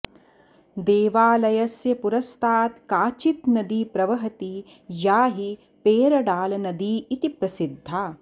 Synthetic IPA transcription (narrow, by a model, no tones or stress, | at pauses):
d̪eːʋaːlɐjɐsjɐpuɾɐst̪ʰaːt̪kaːt͡ʃit̪nɐd̪iːpɾɐʋɐɦɐt̪i | jaːɦi | peːɾɐɽaːlɐnɐd̪iːt̪ipɾɐsid̪ʱːaː